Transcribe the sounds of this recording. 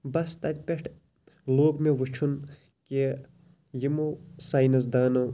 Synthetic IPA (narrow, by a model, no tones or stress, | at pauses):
bɐst̪ɐt̪ʲpʲeʈʰ | loːɡmeʋut͡ʃʰun | ke | jimosaːjnɐs̬d̪aːnɐw